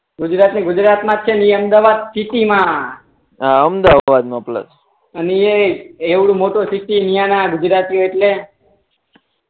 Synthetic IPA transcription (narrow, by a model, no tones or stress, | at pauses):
ɡʊd͡ʒɾat̪niɡʊd͡ʒɾat̪mãt͡ʃʰeniəmd̪aʋad̪siʈimã | aəmd̪aʋad̪mãplə̰s | ənieeʋɽũmoʈosiʈinijãnaɡud͡ʒɾat̪ijoeʈle